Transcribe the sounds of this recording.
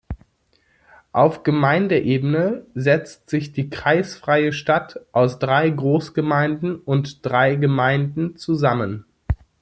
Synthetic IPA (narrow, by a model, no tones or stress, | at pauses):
ʔaʊfɡ̥əmaɪndəʔeːbənəzɛt͡stz̥ɪçd̥iːkʁ̥aɪsfʁ̥aɪəʃtatʔaʊsd̥ʁaɪɡʁoːsɡ̥əmaɪndn̩ʊntd̥ʁaɪɡəmaɪndn̩t͡suzamən